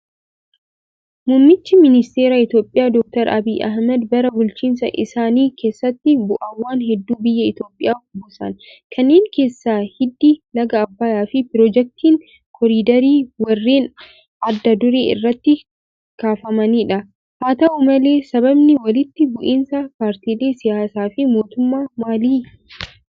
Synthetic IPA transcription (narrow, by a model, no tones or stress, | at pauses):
mʊnːɪt͡ʃːɪmɪnɪst̪e̞ːɾaːɪt̪jo̞ːpʼːɪjaːd̪ɔk̚t̪ɐɾɐbiːʔɐhmɐd̪bɐɾɐbʊlt͡ʃiːnsɐ̰ʔɪsaːniːkʰe̞ːsːɐt̪ːɪbʊʔɐwːaːnɦɛd̪ːuːbɪjːɐɪt̪jo̞ːpʼːɪjaːfbʊsɐ̰nkʰɐnːeːŋke̞ːsːaːhɪd̪ːilɐɡɐːbːaːjaːfɪpɪɾɔd͡ʒɛk̚t̪iːŋ | kʰɔɾiːd̪ɐɾiːwɐrːeːn | ɐd̪ːɐd̪ʊɾḛːɪ̰rːɐt̪ːɪ | kaːfɐmɐniːᶑɐ | haːt̪ɐʔʊmɐle̞ːsɐbɐbnɪwɐlɪt̪ːɪbʊʔiːnsɐpaːɾt̪iːleːsɪjaːsaːfɪmo̞ːt̪ʊmːaːmaːliː